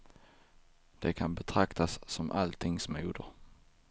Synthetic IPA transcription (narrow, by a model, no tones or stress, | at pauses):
d̪̥ɛkʰanbɛt̪ʰɾakt̪asːɔmʔa̰lt̪ʰɪŋsmuːd̪ə